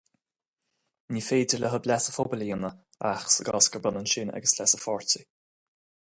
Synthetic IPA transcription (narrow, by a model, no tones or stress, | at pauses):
niːfeːdɪləɦəblɛsəfobələjənə | axsəɡɑːskəblanənʃɪna̰ɡəslɛsəfɔɹtə